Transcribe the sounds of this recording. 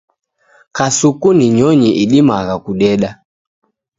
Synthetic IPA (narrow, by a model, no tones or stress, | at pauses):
kasukuniɲɔɲiʔiɗimaɣakuɗɛɗa